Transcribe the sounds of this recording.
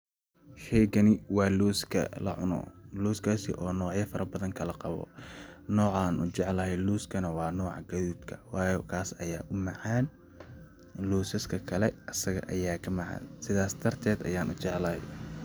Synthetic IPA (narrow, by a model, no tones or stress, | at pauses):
ʃɛjkɐnɪwɑːluːskʰɐ̰lɐ̰ʕʊ̰nɔ̰ːluːskʰaːsɪ̰ʔɔːnɔːʕjɐfɐɾɐbɐðɐŋkʰɐlɐqɑβɔ̰nɔːʕaːnʔʊ̰t͡ʃɛʕlɐɦɛjluːskʰɐnɐwɑːnɔːʕɑ̰ɡɐðuːd̪kʰɐ̥wɑːjɔkʰaːsɐjaːʔʊmɑʕɑːn | luːsɐskʰɐkʰɐlɛʔɐsɐɣɐ̰ʔɐjaːkʰɐmɑʕɑ̰ːnsɪðaːsd̪ʰɐrt̪ʰɛːd̪ɐ̰jaːnʔʊt͡ʃɛʕlɐhɛj